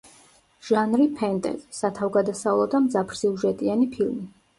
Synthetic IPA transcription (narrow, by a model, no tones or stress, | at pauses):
ʒ̥anɾipʰɛnt̪ʼɛ̰zsat̪ʰavɡad̪asavlˠɔd̪amd̪zapʰɾ̥siuʒɛt̪ʼianipʰilˠmi